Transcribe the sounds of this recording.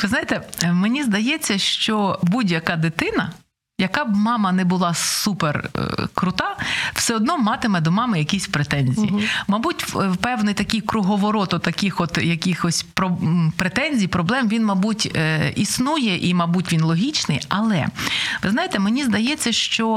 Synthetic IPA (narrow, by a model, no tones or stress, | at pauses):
ʋɪznajet̪ɛmenʲizd̪ɐjɛt͡sʲːɐʃt͡ʃɔbudʲjɐkɑd̪ɪt̪ɪnɐ | jɐkɑbmɑmɐnɛbʊlˠɑsuper̰kɾʊt̪ɑwsɛɔd̪̚nɔmɑt̪ɪmɛd̪ɔmɑmɪjɐkʲisʲpɾet̪ɛnʲzʲḭjimɐbutʲpɛwnɪjt̪ɐkʲɪjkɾʊɦɔʋɔɾɔt̪ɔt̪ɐkʲɪxɔt̪jɐkʲixɔsʲpɾɔpɾet̪ɛnʲzʲijpɾɔblˠɛmʋʲinmɐbutʲisnujɛʔimɐbutʲʋʲinlˠɔɦʲit͡ʃnɪjɐlˠɛ̰ʋɪznajet̪ɛmenʲizd̪ɐjɛt͡sʲːɐʃt͡ʃɔ